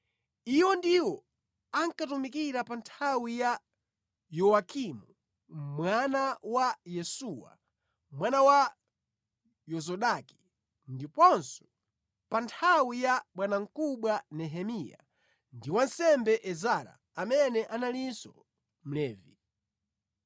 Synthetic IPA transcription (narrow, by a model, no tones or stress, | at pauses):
iwɔndiwɔ | aŋkatumikiɾapantʰawija | jɔwakimu | mwanawajɛsuwa̰ | mwanawa | jɔzɔɗaki̥ | ndipɔnsɔ̥ | pantʰawijaɓwanaŋ̩kuɓwanɛɦɛmija̰ | ndiwansɛmbɛʔɛzaɾa̰ːmɛnɛʔanalisɔ | m̩lɛːvi